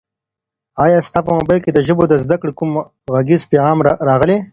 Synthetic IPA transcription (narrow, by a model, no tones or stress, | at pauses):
ɑːjɑːst̪apəmobajlked̪əʒəbod̪əzd̪akɽikʊm | ɣaɡizpeːɣɑːmɾɑɣəle